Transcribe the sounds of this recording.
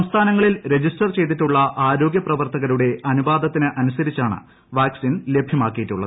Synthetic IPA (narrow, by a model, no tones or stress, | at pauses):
sɐmst̪ʰaːnɐŋːɐɭilɾe̞d͡ʑisʈɐrt͡ɕe̞jt̪̬iʈːuɭːɐʔaːɾo̞ːɡjɐprɐʋɐrt̪ɐɣɐɾuɽe̞ɐnubaːd̪ɐt̪ːinɨʔɐnusɐɾit͡ɕːaːɳɨ̰ | ʋaːksinlebʱjɐmaːkːijitːuɭːɐðɨ